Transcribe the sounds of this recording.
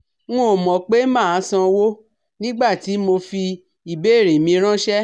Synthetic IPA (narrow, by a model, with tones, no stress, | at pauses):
ŋũ˦o˨mɔ̃˨k͡pe˦mãː˦˨˦sã˧wo˦ | nĩ˦ɡ͡ba˦˨ti˨˦mo˧fi˧ | i˨be˦˨ɾe˨mĩ˧ɾ̃ã˦ʃɛ˦